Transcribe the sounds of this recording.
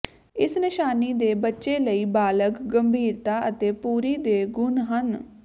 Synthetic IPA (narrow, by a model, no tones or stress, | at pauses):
ɪsnɪʃaːniːd̪eːbətːʃeːləiːbaːləkɡəmbʱiːɾt̪aːʔət̪eːpuːɾiːd̪eːɡʊnɦən